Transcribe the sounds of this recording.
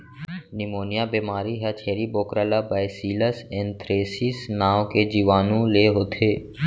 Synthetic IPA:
nɪmoːnɪjabeːmaːɾiɦɛt͡ʃʰeːɾiboːkɾalabaːjsiːləsẽnt̪ɾeːsisnaːwked͡ʒiːʋaːnũleːɦoːt̪ʰeː

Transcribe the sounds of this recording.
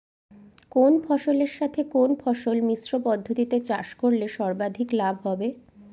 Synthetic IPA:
konpʰɔʃoleɾʃat̪ʰekonpʰɔʃolmisɾopɔd̪ʱːot̪it̪et͡ɕaʃkoɾleʃɔɾbad̪ʱiklabʱɦɔbe

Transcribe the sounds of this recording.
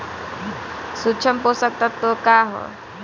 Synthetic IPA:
sutːt͡ʃʰəmposək̚t̪at̪ːokaːɦo̰

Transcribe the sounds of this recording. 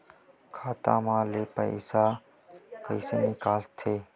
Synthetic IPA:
kʰaːt̪ã̰ːmãːleːpə̰ɪsa | kəisenɪkaːlt̪ʰeː

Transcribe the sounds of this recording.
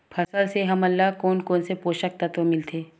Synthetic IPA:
pʰɐsəlseɦɐmɐlːaɦkoːnkoːnsepoːʃək̚t̪ɐt̪ʋomɪlt̪ʰeː

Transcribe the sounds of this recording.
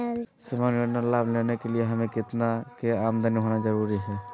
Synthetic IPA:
səmanonalablenekelieɦəmẽkɪt̪nakeamd̪ʱəniɦonad͡ʒəɾuɾiɦɛ

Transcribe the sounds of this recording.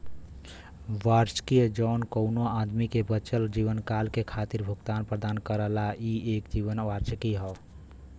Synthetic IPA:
ʋaɾt͡ʃkiəd͡ʒɔːnkəʊnoad̪mikebət͡ʃəld͡ʒiːʋənkaːlkekʰaːt̪iɾbʱuɡt̪aːnpɾəd̪aːnkəɾəlaieːkd͡ʒiʋənʋaɾt͡ʃkiɦɔ

